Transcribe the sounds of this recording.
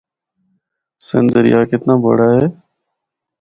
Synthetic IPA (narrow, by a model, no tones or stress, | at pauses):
sɪ̰nd̪əɾɪjaːkɪt̪nãːbə̰ɽaːɦeː